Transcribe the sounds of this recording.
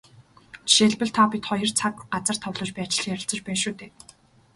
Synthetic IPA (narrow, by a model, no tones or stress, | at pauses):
ʃeːɮpɘ̆ɮt̪ʰɔːpʲit̪χɔjɞ̆rt͡sʰak̚ɢat͡sə̆r̥t̪ʰɔwɮɞ̆ːt͡ɕpæːat͡ɕɪ̆ɮ̆jæɾʲɪ̆ɬt͡sə̆t͡ɕpæːnʃuːt̪ʰeː